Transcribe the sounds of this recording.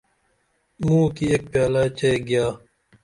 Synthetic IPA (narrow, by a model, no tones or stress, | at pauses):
mũːkieːk̚pjaːlaːt͡ɕeeɡjaː